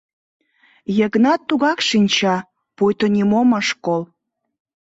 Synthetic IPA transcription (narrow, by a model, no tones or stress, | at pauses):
jəɣnɑt̪ːuɣɑkʃinʲt͡ɕɑ | pujt̪onʲimoməʃkol